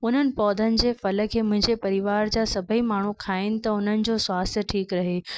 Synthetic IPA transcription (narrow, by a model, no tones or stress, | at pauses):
ʊn̤ənɪ̆pɔːd̪ʱənɪ̆d͡ʑeːfɐlə̆kʰeːmʊ̃ɦɪ̃ɲd͡ʑepɐɾiʋaːɾd͡ʑaːsɐbʱəimaːɳ̤ukʰaːɪnɪ̆t̪ɐʊn̤ənɪ̆d͡ʑoːswaːst̪ʰəʈʰiːkɾɐɦeː